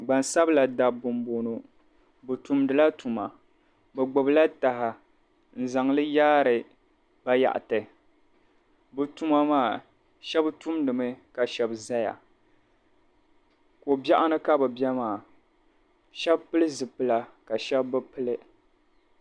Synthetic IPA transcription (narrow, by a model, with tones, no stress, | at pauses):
ɡ͡ba˨nsa˦bla˨da˨bʊ˨mbo˨no˨ | bɨ˨tu˨mdɨ˨la˦tu˨ma˨ | bɛ˨ɡ͡bʊ˨bla˦ta˨ɦa˨ | n̩˦˨za˨ŋ˦lɨ˦jaː˦ɾɨ˨ | ba˦ja̰˨ʔa̰˨tɨ˨ | bɨ˨tu˦ma˦maː˦˨ | ʃɛ˦btu˦mdɨ˨mɨ˦ka˨ʃɛ˨bza˦ja̰˨ | ko˨bja˦ʔa˦nɨ˦ka˦bɨ˨bjɛ˦maː˨ | ʃɛ˦bpɨ˦lɨ˦zɨ˨pɨ˦la˨ka˨ʃɛ˦bːɨ˦pɨ˦lɨ˦